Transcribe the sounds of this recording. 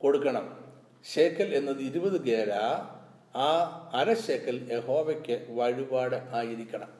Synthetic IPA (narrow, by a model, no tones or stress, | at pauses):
ko̞ɽukːɐɳɐm | ɕeːkːɐle̞nːɐðɨiɾubɐðɨɡeːɾa | aːɐɾɐɕekːɐlje̞ho̞ːʋɐkʲːɨʋɐɻibaːɽɨʔaːjiɾikʲːɐɳɐm